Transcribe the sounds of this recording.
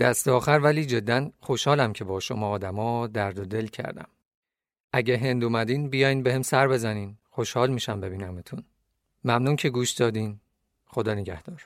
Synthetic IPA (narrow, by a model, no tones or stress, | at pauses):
d̪̥æst̪eɒːxæɾvæliːd͡ʒe̞d̪ːænxoʃhɒːlæmcʰe̞bɒːʃomɒːd̪æmɒːd̪æɾd̪od̪e̞lcʰæ̰ɾd̪æ̰m | ʔæɟeɦe̞nd̪umæd̪iːnbijɒːjinbeɦemsæɾbe̞zæniːnxo̞ʃhɒːlmiːʃæmbe̞biːnæmet̪ʰun | mæmnuːncʰe̞ɡuːʃd̪̥ɒːd̪iːn | xo̞d̪ɒːneɟæhd̪̥ɒːɾ